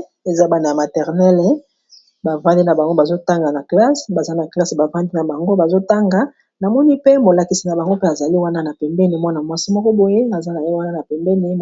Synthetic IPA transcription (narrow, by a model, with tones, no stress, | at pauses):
e˨za˦ba˨na˨a˨ma˨tɛ˨ʁnɛ˦l | ba˨vã˦di˦na˨ba˨ŋɡo˦ba˨zo˦ta˦ŋɡa˨na˨kla˦sba˨za˦na˨kla˦sba˨vã˦di˦na˨ba˨ŋɡo˦ba˨zo˦ta˦ŋɡa˨˦ | na˨mɔ˦ni˦pe˦mo˨la˨ki˨si˨na˨ba˨ŋɡo˦pe˦a˨za˨li˦wa˦na˦na˨pɛ˨mbɛ˦ni˨mwa˦na˨mwa˦si˦mɔ˦kɔ˦bo˨je˦na˨za˦na˨je˦wa˦na˦na˨pɛ˨mbɛ˦ni˨